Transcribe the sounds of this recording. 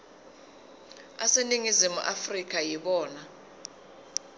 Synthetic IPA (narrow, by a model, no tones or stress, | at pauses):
aseniŋizimṵʔafrik̬ʼajiɓɔːna